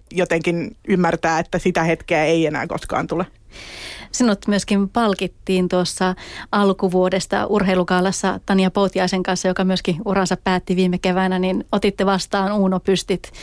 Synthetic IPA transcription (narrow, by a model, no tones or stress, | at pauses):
jot̪eŋkinymːært̪æːet̪ːæsit̪æhet̪keæeienæ̰ːko̰skɑ̰ːnt̪ule | sinut̪myøskimpɑlkit̪ːiːnt̪uosːɑɑlkuʋuodest̪ɑ̰ʔurɦeilukɑːlɑsːɑt̪ɑnjɑpot̪iɑiseŋkɑnsːɑjokɑmyøskiurɑnsɑppæːt̪ːiʋiːmːekeʋænæninot̪it̪ːeʋɑst̪ɑːnuːnopyst̪it̪